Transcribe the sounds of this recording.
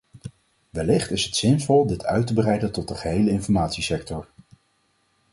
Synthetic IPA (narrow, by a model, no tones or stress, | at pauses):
ʋɛlɪχtɪsɦətsɪnvɔlˠdɪtʰœ̰ɥtəbərɛjdəntɔt̚dəχəɦejləɪnfɔɹmaːtsisɛk̚tɔɹ